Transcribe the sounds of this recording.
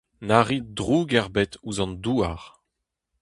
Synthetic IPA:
naʁidʁuɡɛʁbɛtuzɑ̃nduːaʁ

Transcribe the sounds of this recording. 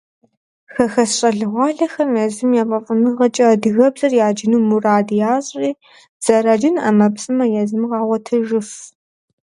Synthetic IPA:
xɐxɐsɕʼɐɮɨʁʷɑːɮɐxɐmjɛzɨmjaːpʼɐfʼɨnɨʁɐt͡ʃʼɐdɨɣɐbzɐrjaːd͡ʒɪnuːmuraːdjaːɕʼiː | z̥ɐrad͡ʒɪnɐ̰mɐpsʼɨmɐjɛzɨmʁɑːwɐtʰɨʒɨf

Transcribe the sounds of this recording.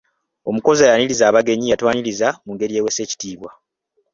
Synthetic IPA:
o̞muko̞zajaɲiɾizaːβaɡe̞ɲijatwaːɲiɾizamuŋɡe̞ɾije̞ːwe̞se̞ːci̥tiːβwa

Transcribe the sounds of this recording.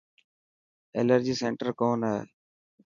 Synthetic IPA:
ḛːləɾd͡ʒiːseːɳʈəɾkoːnɦɛː

